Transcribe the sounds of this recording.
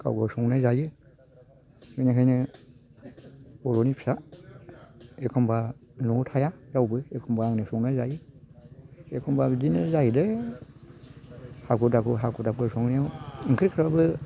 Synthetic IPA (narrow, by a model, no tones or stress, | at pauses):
kʰa̰wɡɔsɔŋnajzajɯ | mɯnakʰajnɯ | ɔɾonipʰi̥sa | ekʰɔmbanɔtʰajazawbɯekʰɔmbaːŋnɯsɔŋnajzajɯ | ekʰɔmbazinɯzajidɯ | hakʰudakʰuɦakʰudap̚ɡɯsɔŋnijawɯŋkʰɾikʰɾabɯ